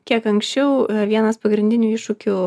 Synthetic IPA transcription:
kʲiɛkɐŋksʲt͡ʃʲɛʊʋʲiɛnɐspɐɡɾʲɪnʲd̪ʲɪnʲuːɪʃʊkʲʊ

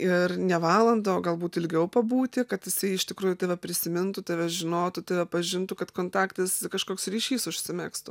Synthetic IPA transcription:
ɪrnʲɛʋɑːlˠɐnd̪oːɡɐlˠbuːt̪ɪlʲɡʲɛʊpɐbuːt̪ʲɪkɐt̪jɪsɐɪɪʃʲt̪ʲɪkɾuːjʊt̪ʲɐɪʋɐpʲɾʲɪsʲɪmʲɪnt̪ʊt̪ʲeʋʲɛʒʲɪnoːt̪ʊt̪ʲɐʋʲɛpɐʒʲɪnt̪ʊkɐt̪koːnt̪ɑːkt̪ʲɐskɐʃkoːksɾʲiːʃʲiːsʊʃʲsʲɪmʲɛːkst̪ʊ

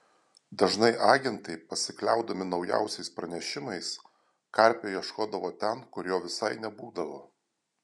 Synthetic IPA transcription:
d̪ɐʒnɐɪʔɑːɡʲɛnt̪ɐɪpɐsʲɪklʲæˑʊd̪ɐmʲɪnɒʊjæ̰ˑʊsʲɛɪspɾɐnʲɛʃʲɪmɐɪs | kɐɾʲpʲoːjiɛʃkoːd̪ɐʋoːt̪ʲɛnkʊɾjoːʋʲɪsɐɪnʲɛbuːd̪ɐʋoː

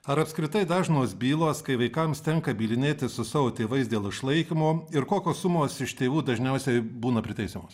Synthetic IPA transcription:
ɐɾɐpskɾʲɪt̪ɐɪd̪ɑːʒnoːsbʲiːlˠoːskɐɪʋɐɪkɐmst̪ʲɛŋkɐbʲiːlʲɪnʲeːt̪ʲɪsʊsɑːʋoːt̪ʲeːʋɐɪsd̪ʲeːlˠɪʃlˠɐɪkʲɪmoːɪɾkoːkʲoːssʊmoːsɪʃt̪ʲeːʋuːd̪ɐʒʲnʲɛʊsʲɛɪbuːnɐpʲɾʲɪt̪ɐɪsʲemoːs

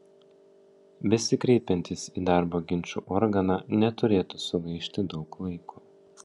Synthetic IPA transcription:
bʲɛsʲɪkɾʲɛɪpʲɛnʲt̪ʲɪsiːd̪ɑˑɾboːɡʲɪnʲt͡ʃʲuːʔɔɾɡɐnɑnʲɛt̪ʊɾʲeːt̪usʊɡɐɪʃʲt̪ʲɪd̪ɒʊklˠɐɪku

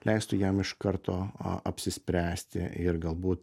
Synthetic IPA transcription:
lʲɛɪst̪ʊjɛmɪʃkɐɾt̪oːɐpʲsʲɪsʲpʲɾʲæːsʲt̪ʲɪ̰ɪɾɡɐlˠbuːt̪

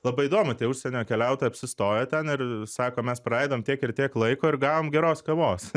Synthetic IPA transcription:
lˠɐbɐɪd̪oːmʊt̪ʲiɛʊʃʲsʲɛnʲoːkʲɛlʲɛʊt̪oːjɛɐpʲsʲɪst̪oːjɛːt̪ʲɛnɪrsɑːkoːmʲɛsprɐɐɪd̪oːmt̪ʲiɛkɪrt̪ʲiɛklˠɐɪkoːɪɾɡɑːʋoːmɡʲɛɾoːskɐʋoːs

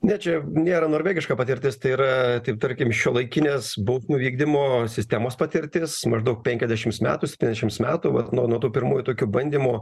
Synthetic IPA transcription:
nʲɛt͡ʃʲɛnʲeːɾɐnoːɾʲʋʲæːɡʲɪʃkɑːpɐt̪ʲɪɾʲt̪ʲɪst̪ɐɪiːɾɐt̪ɐɪp̚t̪ɐɾʲkʲɪmʃʲuɔlˠɐɪkʲɪnʲeːsbɐʊsʲnʲuːʋʲiːɡ̚d̪ʲɪmoːsʲɪsʲt̪ʲæmoːspɐt̪ʲɪɾʲt̪ʲɪsmɐʒd̪ɐʊk̚pʲɛŋʲkʲɛzʲdʲæʃʲɪmsmʲæ̰ːt̪uːsʲɛpʲt̪ʲinʲɛzʲd̪ʲɛʃʲɪmsmʲæːt̪uːʋɐ̰t̪nuɔnuɔt̪uːpʲɪɾmuːjʊt̪oːkʲubɐnʲd̪ʲiːmʊ

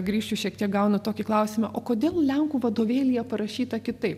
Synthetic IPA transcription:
ɡɾʲiːʃʲt͡ʃʲuʃʲiɛkt̪ʲiɛk̚ɡɐʊnɐt̪oːkʲɪklˠɐʊsʲɪmɐʔoːkoːd̪ʲeːlˠlʲɛŋkuːʋɐd̪oːʋʲeːlʲɪjɛpɐɾɐʃʲiːt̪ɐkʲɪt̪ɐɪp

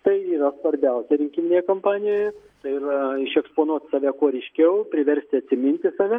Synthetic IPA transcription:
t̪ɐɪiːɾɐsʋɐɾʲbʲɛʊsʲɛɾʲɪŋʲkʲimʲɪnʲeːjɛkompɑːnʲɪjojɛ | t̪ɐɪɪrɐɪʃʲɛkspoːnuɔt̪sɑːʋʲɛkuɔɾʲɛɪʃʲkʲɛʊpʲɾʲɪʋʲɛɾʲsʲt̪ʲɪɐt̪ʲsʲɪmʲɪnʲt̪ʲɪsɑːʋʲɛ

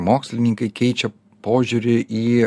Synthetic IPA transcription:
moːksʲlʲɪnʲɪŋkɐɪkʲɛɪt͡ʃʲɛ | poːʒʲuɾʲɪʔiː

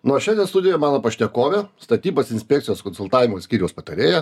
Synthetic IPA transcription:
nuɔʃʲɛnd̪ʲɛnst̪ʊd̪ʲɪjɛmɑːnoːpɐʃʲt̪ʲɛkoːʋʲest̪ɐt̪ʲiːbɐsɪnʲsʲpʲækt̪sʲɪjoːskɔnsʊlˠt̪ɑːʋʲɪmoːsʲkʲiːɾʲɛʊspɐt̪ɐɾʲeːjɛ

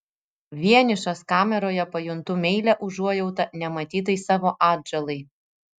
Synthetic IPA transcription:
ʋʲiɛnʲɪʃɐskɑːmʲɛɾoːjɛpɐjʊnt̪ʊmʲɛɪlʲɛʔʊʒuɔjɛʊt̪ɐnʲɛmɐt̪ʲiːt̪̬ɐɪsɑːʋoːʔɑːd̪ʲd͡ʒɛlˠɐɪ

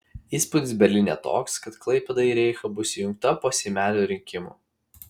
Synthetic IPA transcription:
iːspʊd̪ʲɪsbʲɛɾʲlʲɪnʲɛːt̪o̰ːkskɐt̪klˠɐɪpʲɛd̪ɐiɾʲɛɪxɐbʊsʲjʊŋk̚t̪ɐpoːsʲɛmʲæːlʲoːɾʲɪŋʲkʲɪmṵː

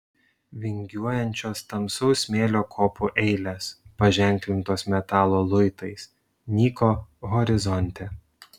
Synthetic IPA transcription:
ʋʲɪŋʲɡʲuɔjɛnʲt͡ʃʲoːst̪ɐmsɒʊsʲmʲeːlʲoːkʰoːpʰuʔɛɪlʲeːspɐʒʲɛˑŋʲklʲɪnt̪oːsmʲɛt̪ɑːlˠoːlˠʊɪt̪ɐɪs | nʲiːkoːɣɔɾʲɪzɔnʲt̪ʲɛ

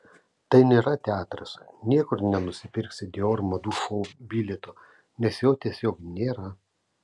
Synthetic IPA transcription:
t̪ɐɪnʲeːɾɐt̪ʲæːt̪ɾɐsnʲiɛkʊɾnʲɛnʊsʲɪpʲɪɾʲksʲɪd̪ʲɛoːɾmɐd̪uːʃoːbʲiːlʲɛt̪o | nʲɛsjɛʊt̪ʲiɛsʲoːknʲeːɾɐ

